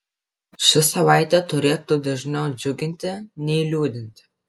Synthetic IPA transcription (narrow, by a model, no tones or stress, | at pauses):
ʃʲɪsɐʋɑˑɪt̪ʲɛt̪ʊɾʲeːt̪uːd̪ɐʒʲnʲɛʊd͡ʒʲʊɡʲɪnʲt̪ʲɪnʲɛɪɪlʲuːd̪ʲɪnʲt̪ʲɪ